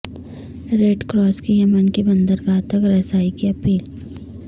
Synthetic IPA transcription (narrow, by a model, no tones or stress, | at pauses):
ɾeːɖkɾɔːskijɐmənkebɐ̃nd̪əɾɡaːt̪əkɾɐːsaːikiɐpiːl